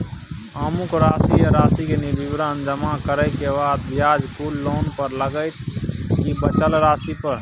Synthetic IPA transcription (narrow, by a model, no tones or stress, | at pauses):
əmukɾaːsiəɾaːsikenibibɾand͡ʒəmakəɾəjkebaːd̪bjaːd͡ʒkulːoːnpəɾləɡəɪt̪ʰkibət͡ʃəlɾaːsipəɾ